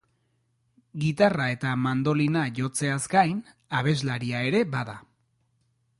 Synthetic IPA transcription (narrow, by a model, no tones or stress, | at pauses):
ɡit̪arae̞t̪amand̪o̞linaʝo̞t͡se̞azkajn | aβ̞e̞zlaɾiae̞ɾe̞baða